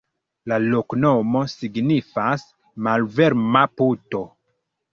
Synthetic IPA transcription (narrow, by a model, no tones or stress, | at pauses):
lalo̞kno̞mo̞siɡnifas | malve̞ɾmaputo̞